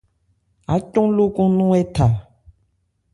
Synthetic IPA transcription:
a̰˨˦t͡ʃɔ̃˦lo˦kõ˦nũ˦ɛ˦ta˨

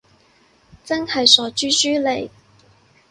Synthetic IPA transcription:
t͡sɐ˥ŋhɐ˨jsɔː˨˥t͡ʃyː˥syː˥le˨˩j

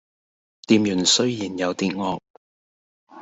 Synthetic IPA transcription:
t̪iː˨˧mjyː˨˩nsɵ˥ɥjiː˨˩njɐ˨˧wt̪iː˧t̚ŋɔː˧k̚

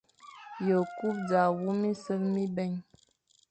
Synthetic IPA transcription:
jə˨ku˦p̚d͡za˨wu˦mi˦sə˦lmi˦bɛ˦˨ɲ

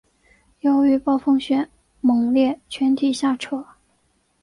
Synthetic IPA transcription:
jo˧˥ʊy˧˥pɑ˥˧ʊfɤ˥˧ŋɕɥɛ˧˥˩n | mɤ˧˩ŋljɛ˥˩t͡ɕʰɥɛ˧˥nt̪ʰi˨˩ɕja˥˩ʈ͡ʂʰɤ˧˥˦

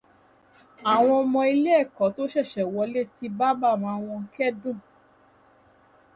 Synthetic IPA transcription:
a˨w̃ɔ̃˧ɔ˧mɔ̃˧i˧le˦ɛ˦˨kɔ˨˦to˦ʃɛ˦˨ʃɛ˨wɔ˧˦le˦ti˧ba˦ba˦˨m̃ã˨˧˦w̃ɔ̃˧kɛ˦dũ˦˨

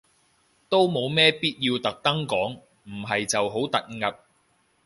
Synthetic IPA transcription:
t̪o˥wmo˨˧wmɛː˥piː˥t̚jiː˧wt̪ɐ˨k̚t̪ɐ˥ŋkɔː˨˥ŋ | m̩˨˩ɦɐ˨jt͡sɐ˨wɦo˨˥wt̪ɐ˨t̚ŋɐ˨p̚

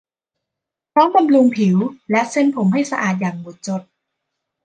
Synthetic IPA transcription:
pʰɾɔː˦˥ŋka˧mlu˧ŋpʰi˨˩˦wlɛ˦˥ʔse˥˩npʰo˩˦mɦa˥˩jsa˧ʔaː˨˩t̪̬̚jaː˨˩ŋ̚mu˨˩t̪̚t͡ɕo˨˩t̪̚

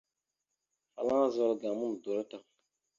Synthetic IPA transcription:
fa˨lã˦zɔ˦ɾɡa˨mʊ˦n˨dɔ˨ɾta˨

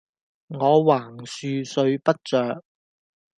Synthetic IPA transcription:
ŋɔː˨˧waː˨˩ŋsyː˨˧sɵ˨˧ɥpɐ˥t̚t͡ʃœː˨k̚

